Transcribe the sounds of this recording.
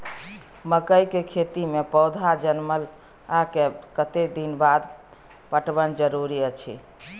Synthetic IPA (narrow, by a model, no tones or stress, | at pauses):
məkəjkekʰet̪imepəwd̪ʱad͡ʒənməl | akekət̪ed̪inbad̪ | pəʈbənd͡ʒəɾuɾiət͡ʃʰḭ